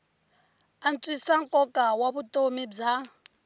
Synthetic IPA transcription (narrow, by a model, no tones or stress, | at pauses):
ant͡sʼisaŋkʼɔkʼawaβutʼomib͡ʐa